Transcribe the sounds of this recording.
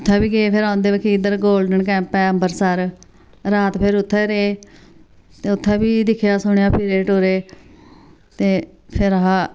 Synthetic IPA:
ʊt̪ʰːɛːbiːɡeeːpʰɪɾãːnd̪eːʋəkʰiːɪd̪əɾɡoːlɖəɳkɛ̃ːmpɛːəmbəɾsəɾ | ɾaːt̪pʰɪɾʊt̪ʰːɛːɾeeː | t̪eːʊt̪ʰːɛ̃ːbiːd̪ɪkʰːjaːsʊɳ̃jãːpʰiːɾeːʈoːɾeː | t̪eː | pʰɪɾəɦãː

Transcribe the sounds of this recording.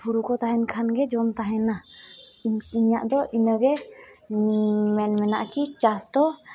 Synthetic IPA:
pʰuɽukɔt̪aɦɛnkʰanɡɛd͡ʒɔnt̪aɦɛna | iɲaʔd̪ɔʔinəɡɛ | mɛnmɛna̰ʔkit͡ʃast̪ɔ

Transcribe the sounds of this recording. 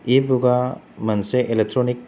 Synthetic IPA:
ebuɡa | mɐnseʔelek̚ʈɾoːnɪk̚

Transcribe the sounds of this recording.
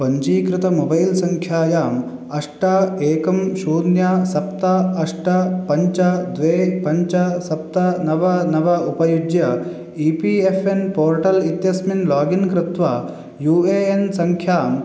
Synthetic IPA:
pɐɲd͡ʒiːkɾɪt̪ɐmobɐjlsɐŋkʰjaːjaːm | ɐʂʈaeːkɐmʃuːnjasɐpt̪ɐɐʂʈɐpɐɲt͡ʃɐd̪ʋeːpɐɲt͡ʃɐsɐp̚t̪ɐnɐʋɐnɐʋɐupɐjud͡ʒjɐ | iːpiefʰenpoːɾʈɐlit̪jɐsminlaːɡinkɾɪt̪ʋaː | juːeːensɐŋkʰjaːm

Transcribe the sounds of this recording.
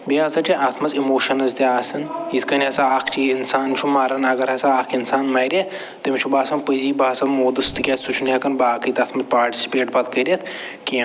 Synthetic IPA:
biazɐt͡ʃʲiʔɐt̪ʰmɐzimoːʃɐnɐzd̪ʲiaːsɨnit̪ʰkɐnʲɐsɐaːkʰt͡ʃʰiinsaːnt͡ʃʰumaːɾɐnɐɡɐɾɐsɐaːkʰinsaːnmɐːɾʲɐ | t̪ɐmʲt͡ʃʰubaːsɐnpəziːbaːsɐnmoːd̪ɨst̪ʰɨkʲɐːt̪sut͡ʃʰunjɐkɐnbaːkɨt̪ɐt̪ʰmɐzpaːɾʈi̥si̥peːʈbɐt̪kɐɾʲɐt̪ʰ | kʲi

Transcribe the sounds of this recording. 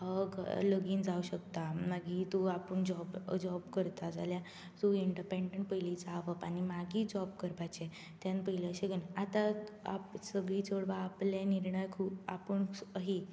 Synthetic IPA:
əɡləɡiːnd͡zauɕəkt̪amaɡiːt̪uapəɳd͡ʑɔbd͡ʑɔbkəɾt̪ad͡zalja | t̪uiɳɖəpeɳɖəɳʈ̚pəiliːd͡zaʋəpañimaɡiːd͡ʑɔb̚kəɾpat͡ɕe | t̪jãnpəɦileəɕeɡənat̪aa̰psəɡɭiːt͡səɽʋaːpleniɾɳəjkʰuːpa̰pəɳəɦi

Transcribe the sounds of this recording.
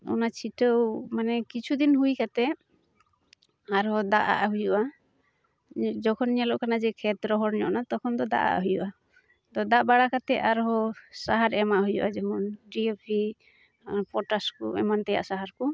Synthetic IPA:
ɔ̰nat͡ʃʰiʈəwmanɛkit͡ʃʰud̪inɦujkat̪ɛ | aɾɦɔd̪aʔa̰ʔɦujuʔa | d͡ʒɔkʰɔniɲalɔʔkanad͡ʒɛkʰɛt̪ɾɔɦɔɾɲɔ̰ʔnat̪ɔkʰɔnd̪ɔd̪a̰ʔa̰ʔɦujṵʔa | t̪ɔd̪aʔbaɽakat̪ɛʔaɾɦɔsaɦaɾɛmaʔɦujṵʔad͡ʒɛmɔnɖiepʰi | pɔʈaskɔ̰ɛ̰mant̪ɛja̰ʔsaɦaɾkɔ

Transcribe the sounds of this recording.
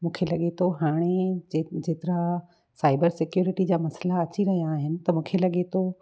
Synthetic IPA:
mũːkʰelɐɠet̪ʰoɦaːɽ̃ed͡ʑeːt̪ɪɾa | saːɪbəɾsɪkjuːɾɪʈid͡ʑaːmɐslaɐt͡ɕiɾɐɦijaːɦɪnɪ̆t̪ɐmũːkʰelɐɠet̪ʰo

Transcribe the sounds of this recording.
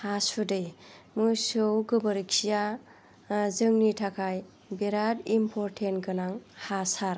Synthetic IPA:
hasudɯjmɯsɯwɡɯbəɾiksija | zɯŋnitʰakʰaj | beɾadimpʰɔɾtʰenkɯnaŋhasaɾ

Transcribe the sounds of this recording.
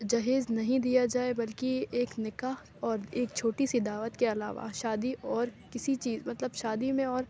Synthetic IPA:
d͡ʒɐɦeːznɐɦĩd̪ijad͡ʒaːebɐlkieːknɪkaːh | ɔːɾeːk̚t͡ʃʰoːʈisid̪aːʋət̪keɐla̰ːʋa̰ʃaːd̪iʔɔːɾ | kɪsit͡ʃiːzmɐt̪ləbʃaːd̪imẽɔːɾ

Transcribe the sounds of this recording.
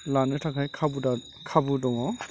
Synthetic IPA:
lanɯtʰakʰajkʰabuda | kʰabudɔŋɔ

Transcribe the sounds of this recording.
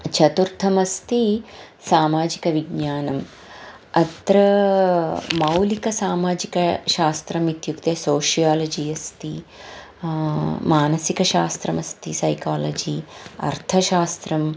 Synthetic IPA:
t͡ʃʰɐt̪uɾt̪ʰɐmɐst̪i | saːmaːd͡ʒikɐʋiɡɲaːnɐm | ɐt̪ɾɐ | mɐwlikɐsaːmaːd͡ʒikɐʃaːst̪ɾɐmit̪jukt̪eːsoːʃijaːlɐd͡ʒiːɐst̪i | maːnɐsikɐʃaːst̪ɾɐmɐst̪isɐjkaːlɐd͡ʒiɐ̰ɾt̪ʰɐʃaːst̪ɾɐm

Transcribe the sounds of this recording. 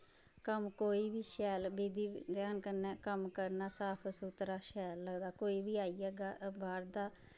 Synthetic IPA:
kəmkoːiːbiːʃɛːlbiːd̪iːd̪jaːnkəɾnɛːkəmkəɾnaːsaːpʰəsut̪ɾaːʃɛːlːəɡd̪aːkoːiːbiːaːiːɛːɡaːbaːɾd̪aː

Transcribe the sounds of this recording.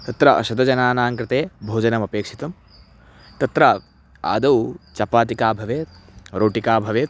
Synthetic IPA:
t̪ɐt̪ɾɐʔɐ̰ʃɐd̪ɐd͡ʒɐnaːnaːŋkɾɪt̪eːbʱoːd͡ʒɐnɐmɐpeːkʂi̥t̪ɐm | t̪ɐt̪ɾɐ | a̰ːd̪ɐwt͡ʃɐpaːt̪̬ikaːbʱɐʋeːt̪ | ɾoːʈikaːbʱɐʋeːt̪

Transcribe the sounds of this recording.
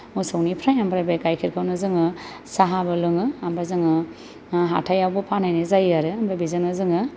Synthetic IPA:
musawnipʰɾajambɾabajkajkʰiɾkʰawnɯzɯŋɯ | saɦabɯlɯŋɯambɾazɯŋɯ | ɦa̰tʰajawbɯpʰanajnɯzajaɾɯambɾabizanɯzɯŋɯ

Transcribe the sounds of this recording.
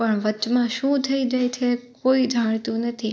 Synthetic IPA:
pəɳʋət͡ʃmãʃũt̪ʰəid͡ʒajt͡ʃʰekoid͡ʒʱaɽ̃t̪ũnət̪ʰi

